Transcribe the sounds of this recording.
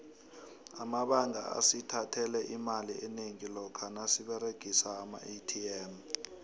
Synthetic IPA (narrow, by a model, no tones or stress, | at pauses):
amaɓaŋʱa̰a̰sitʰatʰɛlɛʔimaliʔɛneŋilɔkʰanasiɓɛɾeɡ̥ʱisaːma̰itʰiɛːm